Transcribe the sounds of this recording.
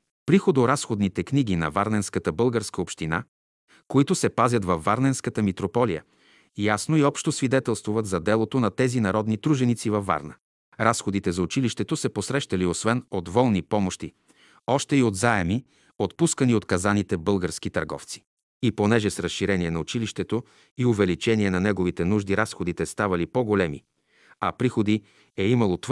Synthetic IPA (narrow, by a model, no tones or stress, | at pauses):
pɾixod̪oɾasxod̪nit̪ɛkniɡinɐ̰vaɾnɛnskət̪əbɤlˠɡəɾskəopʃt̪ina̰ | koit̪ʊsɛpazʲjɐt̪vɐfːaɾnɛnskət̪əmit̪ɾopɔlijə̰ | jasnoiɔpʃt̪osvid̪ɛt̪ɛlˠst̪vuvət̪zɐd̪ɛlˠot̪onɐt̪ɛzinɐɾɔd̪nit̪ɾuʒɛnit̪sivɐfːa̰ɾnə | ɾasxod̪it̪ɛzɐʊt͡ʃiliʃt̪ɛt̪osɛposɾɛʃt̪ɐliosvɛnod̪vɔlˠnipɔmoʃt̪i | ɔʃt̪ɛiod̪zaɛmi | ot̪puskəniot̪kɐzanit̪ɛbɤlˠɡəɾsk̟it̪ɐɾɡɔ̰ft̪si̥ | iponɛʒɛsɾəsʃiɾɛniɛnɐʊt͡ʃiliʃt̪ɛt̪o | iovɛlit͡ʃɛniɛnɐnɛɡovit̪ɛnuʒd̪iɾasxod̪it̪ɛst̪avɐlipoɡolɛmḭ | ɐpɾixod̪i | ɛimɐlˠot̪